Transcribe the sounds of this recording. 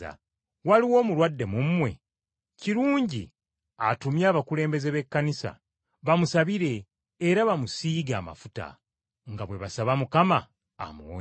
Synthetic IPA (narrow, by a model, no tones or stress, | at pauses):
a̰ | waliwo̞ːmuɾwadːe̞mumːwe̞̰ | ciɾuːɲɟḭ | atumjaːβakule̞ːmbe̞ze̞βe̞kːanisa̰ | βamusaβiɾe̞ː | ɾaβamusiːɡaːma̰futa̰ | ŋɡaβwe̞βasaβamukama̰ː | muo̰